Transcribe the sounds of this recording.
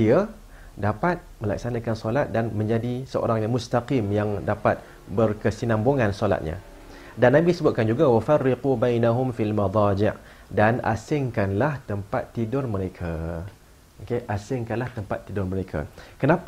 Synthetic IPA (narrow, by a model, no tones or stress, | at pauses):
dia | dapat̪̚mə̃la̰k̚sanakansolat̪̚danmə̃ɲd͡ʒadisəo̰ɾaŋjamʊst̪aqimjaŋdapat̪̚ | bərkəsinamboŋansola̰t̪̚ɲa̰ | danːabisəbʊt̪̚kand͡ʒuɡawafarːɪqubajnaɦʊmfialmɑd̪ˤɑd͡ʒɪʔ | dana̰sɪŋkanlaht̪əmpat̪ːidʊrmə̃ɾekʰa | okeʔasɪŋkanlaht̪əmpa̰t̪ːidʊrməɾekʰa̰kənapa